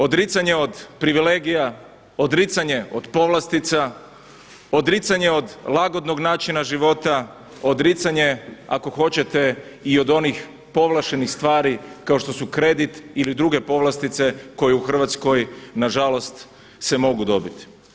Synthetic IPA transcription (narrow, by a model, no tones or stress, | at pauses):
o̞d̪ɾit̪saɲe̞od̪pɾiʋileːɡija | o̞d̪ɾit̪saɲe̞o̞d̪po̞ʋlˠast̪it̪sa | o̞d̪ɾit̪saɲe̞o̞d̪lˠaɡo̞d̪no̞ɡnaːt͡ʃinaʒiʋo̞t̪a | od̪ɾit̪saɲe̞ako̞xo̞t͡ɕe̞t̪e̞ | io̞d̪o̞nix | po̞ʋlˠaʃenixst̪ʋaːɾikaoʃt̪o̞sukɾe̞d̪it̪ilid̪ɾuɡe̞po̞ʋlˠast̪it̪se̞ko̞jeuxr̩ʋat̪sko̞jnaʒalo̞st̪ | se̞mo̞ɡud̪o̞bit̪i̥